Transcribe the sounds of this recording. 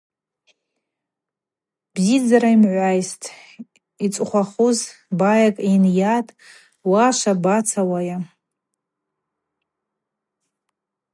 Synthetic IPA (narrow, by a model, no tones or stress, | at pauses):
bzid͡zaɾaimʕʷajstʼ | it͡sʼχʷaχuzbajakʼenjatʼ | waʃʷabat͡sʰawaja